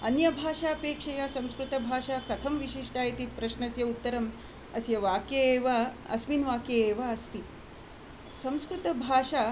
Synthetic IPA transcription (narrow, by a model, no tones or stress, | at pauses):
ɐnjɐbʱaːʂaːɐpeːkʂɐjasɐ̃mskɾut̪ɐbʱaːʂaːkɐt̪ʰɐmʋiʂiʂʈaːjit̪ipɾɐʂnɐsjɐut̪ːɐɾɐm | ɐsjɐʋaːkjeːʋaɐsminʋaːkjeeːʋaɐst̪i | sɐ̃mskɾut̪ɐbʱaːʂaː